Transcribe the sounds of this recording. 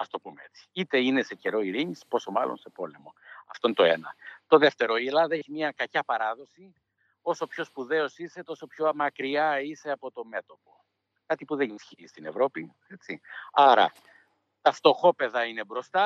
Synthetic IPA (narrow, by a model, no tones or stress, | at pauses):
ɐst̪opumee̞t͡si̥it̪e̞ine̞se̞ce̞ɾo̞iɾinispo̞so̞mɐlo̰nse̞po̞le̞mo̞ɐft̪onet̪oe̞nɐt̪o̞ðe̞ft̪e̞ɾo̞ilɐðeçimɲɐkɐcɐpɐɾɐðo̞si | o̞so̞pço̞spuðe̞o̞sise̞t̪o̞sopço̞mɐkɾiɐise̞ɐpo̞t̪o̞me̞t̪o̞po̞ | kɐt̪ipuðe̞nisçiist̪ine̞̰vɾo̞pi | e̞t͡siɐɾɐ̰ | t̪ɐft̪o̞xo̞pe̞ðɐine̞bɾo̞st̪ɐ